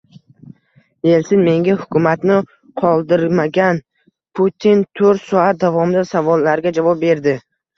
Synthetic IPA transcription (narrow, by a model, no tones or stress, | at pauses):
je̞lsɪnme̞ŋɡʲahʊkʲʰʊmat̪nɪ | qʰɒlˠd̪ɪɾmaɡʲan | pʰut̪ʰint̪ʰoɾt̪sɒat̪̚d̪avɒmɪd̪asavɒlːaɾɡʲad͡ʒavɒp̚be̞ɾd̪ɪ